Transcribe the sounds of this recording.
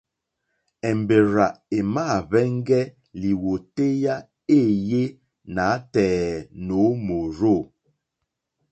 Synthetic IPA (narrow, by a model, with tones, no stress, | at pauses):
ɛ˨m˨be˨ɾa˨ʔe˨ma˦˨βɛ˦ŋ˦ɡɛ˦ | li˨wo˨te˦ja˦ | e˦˨je˦ | na˨˦tɛː˨no˨˦mo˨ɾo˦˨